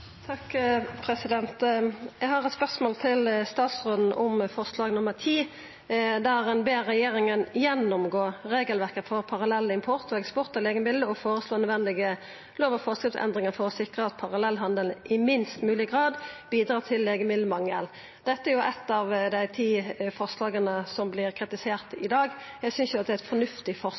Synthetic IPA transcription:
t̪ʰɑkːpʰɾɛsɪd̪ɛnt̪jæɡɦɑʁɛt̪spœʁsmoːlt̪ʰɪlst̪ɑːt̪sʁoːd̪n̩ʔʊmfɔʁslɑːɡnʊməʁt̪ʰiː | d̪æʁɛnbeːʁɛjeːɾɪŋənjɛnʊmɡoːʁeːɡəlʋæʁkət̪fɔʁpʰɑʁɑlɛlːəɪmpʰʊʁt̪ɔɛkspʊʁt̪əleːɡəmɪləɔfoːʁəsloːnœd̪ʋɛnd̪ɪɡə | loːʋɔfɔːʁskɾɪptsɛ̰nd̪ʁɪŋəfɔʁɔsɪkʁəɑt̪̚pʰɑʁɑlɛlːɦɑnd̪əlnɪmɪnst̪mʉːlɪɡʁɑːd̪biːd̪ɾɑːt̪ʰɪlːeːɡəmɪld̪əmɑŋːə̰l | d̪̥ɛt̪ːəɛæɾjʊʔɛt̪ːɑʋd̪æɪt̪ʰiːfɔʁslɑːɡənəsɔmblɪʁkʰʁɪt̪ɪseːʁt̪ɪd̪ɑːɡjæɡsʏnsjʊɑt̪̚d̪ɛæɛt̪fɔnʉft̪ɪfɔ

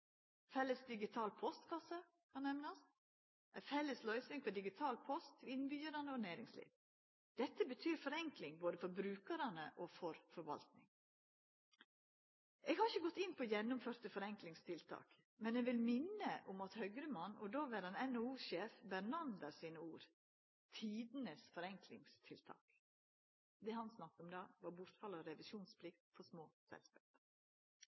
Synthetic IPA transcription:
fɛlːəsd̪ɪɡɪt̪ʰɑːlpʰɔst̪kʰɑsə | kʰɑnɛmnɑs | ʔɛfɛlːəslœʏsnɪŋfɔd̪ɪɡɪt̪ʰɑːlpʰɔst̪ʰɪlɪnbyːəɾɑnəɔnæːɾɪŋslḭːʋ | d̪̥ɛt̪ːəbət̪ʰyːɾfɔɾɛŋklɪŋboːd̪əfɔɾbɾʉːkəɾɑnəʔɔfɔɾfɔɾʋɑ̰lt̪nɪ̰ŋ | ʔeːɡhɑɾɪçəɡɔt̪ːɪnːpɔjɛnːʊmføːɾt̪əfɔɾɛŋklɪŋst̪ʰɪlt̪ʰɑ̰ːk | mɛnɛːɡʋɪlmɪnːəʔʊmɑt̪hœɡɾəmɑnɔd̪oːʋɪɾɑnɛnouːʃeːfbæɾnɑmd̪əɾsiːnəuːɾ | t̪ʰiːd̪nəsfɔɾɛŋklɪ̰ŋst̪ʰɪlt̪ʰɑ̰ːk | d̪ɛːhɑnsnɑkːəɔmd̪ɑːʋɑɾbʊɾt̪fɑlːəɾɔɾɛʋɪʃuːnspʰlɪk̚t̪fʰɔsmoːsɛ̰lskɑːp

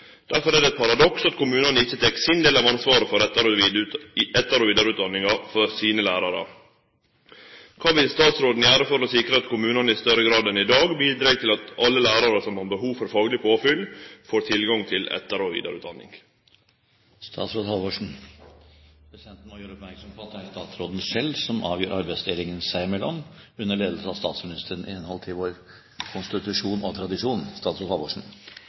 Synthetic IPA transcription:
d̪̥æɾfɔɾæɖ̪ɛt̪̚pʰɑɾɑd̪ɔksɑt̪kʰʊmʉːnɑnəɪçːət̪ʰɛkːsɪnd̪eːlɑʋɑnsʋɑːɾəfɔɾɛt̪ːɑɾ | ɛt̪ːɑɾoːʋiːd̪ɑɾʉt̪̚d̪ɑnːɪŋɑfɔɾsiːnəlæːɾɑɾə̰ | kʰɑːʋɪlst̪ɑːt̪sɾoːd̪n̩əjæːɾəfɔɾɔsɪkɾəɑt̪kʰʊmʉːnɑnəɪst̪œɾəɡɾɑːd̪ɛnɪd̪ɑːɡbiːd̪ɾeːɡt̪ʰɪlɑt̪ɑlːəlæːɾɑɾəsɔmhɑɾbəhuːʋfɔɾfɑːɡlɪpʰoːfʏlfoːɾt̪ʰɪlɡɑŋt̪ʰɪlɛ̰t̪ːəɾɔʋḭːd̪ɑ̰ɾʉːd̪ɑnːɪ̰ŋ | st̪ʰɑ̰ːt̪sɾoːd̪hɑʋɔʂɳ̩ | pʰɾɛsɪd̪ɛnt̪n̩mɔjøːɾəɔpmæɾksɔmpʰoːt̪d̪ææɾst̪ɑːt̪sɾoːd̪n̩sɛlsɔmʔɑ̰ːʋjøːɾʔɑɾbæɪst̪eːlɪŋənsæɪmɛlːɔ̰mʉnːəɭeːd̪l̩səɑʋst̪ɑ̰ːt̪smɪnɪst̪əɾənʔɪ̰ɛnhɔlt̪ʰɪʋoːɾ | kʰʊnst̪ɪt̪ʉʂuːnɔt̪ʰɾɑd̪ɪʂuːnst̪ɑːt̪sɾoːd̪hɑːʋɔʂɳ̩

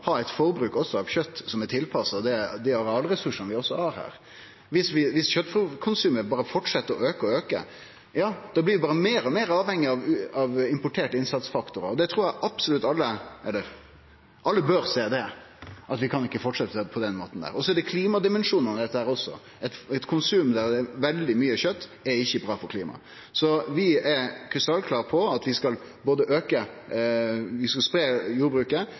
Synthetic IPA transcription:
hɑɾæɪt̪fɔɾbɾʉːkɔsːɔɑʋçœt̪ːsɔmɛt̪ʰɪlpʰɑsəd̪ɛd̪ɛɑɾɑlɾɛsʉʂənʋɪɔsːɔhɑɾhæ̰ːɾ | ʋɪsʋɪʋɪsçœt̪ːfɾukʰʊnsʉːməɾbɑːɾəfɔʈʂɛt̪ːəɾɔøːkəɾɔøːkə̰ | jɑːd̪̥ɑːblɪɾʋɪbɑːɾəmeːɾɔmeːɾɑːʋhɛŋːɪɑʋɑʋɪmpʊʈʰeːʈəɪnsɑt̪sfɑkt̪ʊɾə̰ɾɔd̪ɛt̪ʰɾuːɾjæʔɑbsʊlʉt̪ːɑlːəɛlːəɾ | ʔɑlːəbøɾseːd̪ɛ | ʔɑt̪ʋɪkʰɑnɪkːəfɔʈʂɛt̪ːəpʰɔd̪ɛnmoːt̪n̩d̪æ̰ːɾɔsɔɛɖɛkʰliːmɑd̪ɪmɛnʂuːnɔmd̪ɛt̪ːəhæːɾɔsɔ̰ | ɛt̪ɛt̪kʰʊnsʉːmd̪æɾɛʋɛld̪ɪmyːəçœt̪ːɛɾɪçːəbɾɑːfɔɾkʰliːmɑ̰ | sɔʋɪɛɾkʰɾʉst̪ɑlkʰlɑːʁpʰɔɑt̪ʋɪskɑl | boːd̪əʔøːkə | ʋɪskɑlspɾeːjuːɾbɾʉːkə

